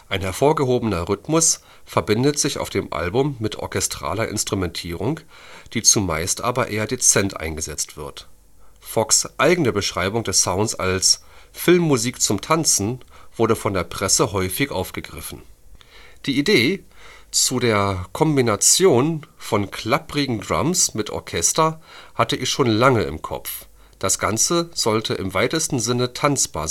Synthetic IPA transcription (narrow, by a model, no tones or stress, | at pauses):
ʔaɪnhɛɐfoːɐɡəɦoːbənɐʁʏtmʊs | fɛɐbɪndətz̥ɪça̰ʊfd̥eːmʔa̰lbʊmːɪtʰʔɔ̰ɐkɛstʁ̥a̰ːlɐʔɪ̰nstʁ̥umɛntʰiːʁ̞ʊŋ | d̥iːt͡suma̰ɪstʔa̰ːbɐʔeːɐdet͡sɛntʔa̰ɪnɡəzɛt͡stv̥ɪɐt | fɔksʔaɪɡənəbəʃʁ̥aɪbʊŋdɛsaʊntsa̰lsfɪlmːuziːkt͡sʊmtʰant͡sn̩v̥ʊɐɾəfɔndeːɐpʁ̥ɛsəɦɔʏfɪçʔaʊfɡ̥əɡʁɪfn̩ | d̥iːʔideːt͡sudeːɐkʰɔmbinat͡sjoːnfɔnkʰl̥apʁɪɡŋ̩dʁa̰msmɪtʔɔ̰ɐkʰɛstɐhatəʔɪçʃoːnlaŋəɪ̰mkʰɔ̰pp͡f | d̥asɡ̥ant͡səz̥ɔltʰəʔɪmvaɪtəstn̩zɪnətʰant͡sb̥a̰ːɐz